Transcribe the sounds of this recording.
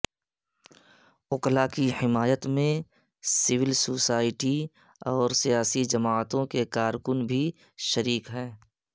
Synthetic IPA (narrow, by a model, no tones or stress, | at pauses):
ʊklakihɪmaːjət̪mẽ | sɪʋɪlsoːsaːɪʈi | ɔːɾsijaːsid͡ʒɐmaːt̪õkekaːɾkʊnbʱi | ʃəɾiːkɦɛ̃ː